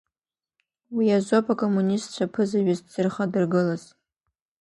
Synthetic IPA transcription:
wiaʒʷopʰʼakʼomːunʲistt͡ʃʷʰapʰɨzaɥaztz̥ɨrχadɨrɡɨlaz̥

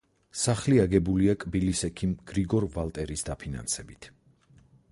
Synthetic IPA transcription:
saχliaɡɛbuliakʼbilisɛkʰimɡ̥ɾiɡɔɾvalˠt̪ʼɛɾisd̪apʰina̰nsɛbit̪ʰ

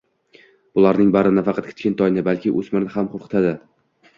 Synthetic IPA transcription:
b̥ʊlˠaɾnɪŋbaɾɪnafɑqʰɑt̪̚kʲʰɪ̥t̪kʲɪnt̪ʰɒjnɪbalkʲɪʔɵzmɪɾnɪhamqʰoɾqʰɨ̥t̪ʰad̪ɪ

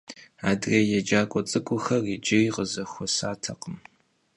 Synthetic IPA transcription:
aːdrejɛd͡ʒaːkʷʼɔt͡sʼɨkʷʼʊxɐrid͡ʒɪriːqəzɐxʷɔsaːtʰɐqəm

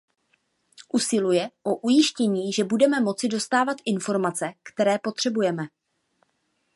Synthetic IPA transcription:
ʔusɪlujɛʔo̞ʔujɪʃcɛɲiːʒɛbudɛmɛmo̞t͡sɪdo̞st̪aːvat̪ʔɪnfo̞ɾmat͡sɛkt̪ɛɾɛːpo̞t̪r̥ɛbujɛmɛ

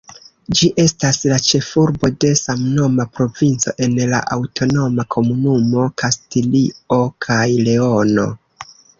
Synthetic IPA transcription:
d͡ʒiʔe̞staslat͡ʃe̞fuɾbo̞de̞samno̞mapɾo̞vint͡so̞̰ʔe̞nla̰ʔawtʰo̞no̞makʰo̞munumo̞kʰastilio̞kʰajle̞o̞no̞̰

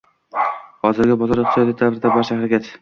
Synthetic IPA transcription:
hɒzɪɾɡʲabɒzɒɾɨχ̚t̪sjt̪ʰat̪d̪avɾɪd̪abaɾʃahɾaɡʲat͡ʃ

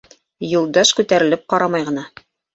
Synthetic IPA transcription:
julˠd̪ɑʃkʉt̪æɾɘ̆lɘp̚qɑɾɑmɑjʁɤ̆nɑ

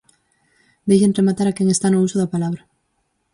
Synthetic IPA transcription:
d̪eʎenremat̪aɾakɛŋest̪anʊusoðapalaβɾɐ

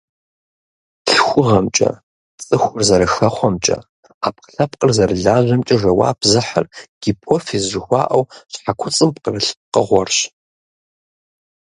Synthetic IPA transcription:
ɬxʷʊʁɐmt͡ʃʼɐ̰ | t͡sʼɨxʷʊrzɐɾɨxɐχʷɔmt͡ʃʼɐ̰ | aːp̚qəɬɐpqʼərzɐrɨɮaːʑʷɐmt͡ʃʼɐʒɐwa̰ːpʰzɨħə̰rɡ̥ipʰofeːzʒɪxʷɑ̰ːʔɐwɕħakʷʰʊt͡sʼɨmpqərɨɬ̚qəʁʷɔrɕ

